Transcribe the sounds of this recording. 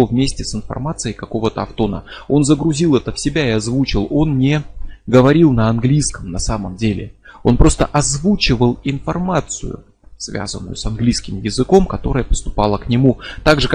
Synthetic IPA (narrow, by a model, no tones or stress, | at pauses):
ovmʲesʲtʲɪsɨnfɐ̰rmat̪sɨjəjkɐko̞vət̪əɐft̪o̞nə̰o̞n̪zəɡɾʊzʲilˠɛt̪əfsʲɪbʲaɪɐzvut͡ɕɪlˠo̞nnʲeɡəvɐɾʲilˠnəɐnɡlʲijskəmnɐsaməmdʲelʲɪ̰o̞̰npɾo̞st̪ə̰ʔɐzvut͡ɕɪvəlˠɪnfɐrmat̪sɨ̰jʊ̰ | svʲa̰zə̰nːʊ̰jʊsɐnɡlʲijskʲɪmjɪzɨko̞mkɐt̪o̞ɾəjəpə̥st̪ʊ̥pɑlˠəknʲɪmut̪aɡʐɨk